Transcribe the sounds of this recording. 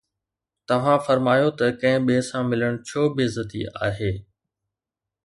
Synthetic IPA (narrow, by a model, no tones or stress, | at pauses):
t̪ɐʋ̤ãfɐɾmaːjot̪ɐkɐ̃ɦɪ̃ɓeːsãmɪləɽ̃t͡ɕʰoːbɪzɐt̪ḭa̰ːɦeː